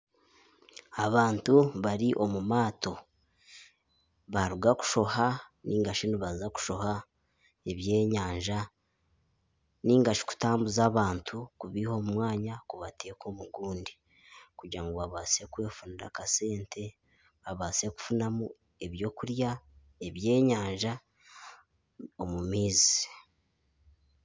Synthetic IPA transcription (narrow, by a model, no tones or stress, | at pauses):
aβaːntuβaɾiʔo̞mumaːtʰo̞ | βaɾuɡaku̥ʃo̞hanʔiːŋɡaʃiniβazzaku̥ʃo̞ha | e̞βje̞ːɲaːɲʒa | niːŋɡaʃi̥ku̥taːmbuzaːβaːntʰukuβiho̞ːmumwaːɲakuβateko̞muɡuːndi | kuɟiɾaŋɡoβaβaːse̞kwe̞ːfuniɾa̰kase̞ːntʰe̞ | βaβaːse̞ku̥funamu | e̞βjo̞ːkuɾja | e̞βje̞ːɲaːɲʒa | omumiːzi̥